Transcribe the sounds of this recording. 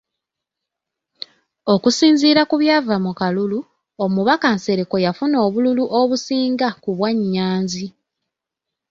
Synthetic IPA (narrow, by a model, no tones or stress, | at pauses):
o̞kusiːnziːɾakuβjaːvamukalulu | o̞muβakanse̞ɾeko̞jafuno̞ːβululuʔoβusiːŋɡakuβwaɲːaːnzi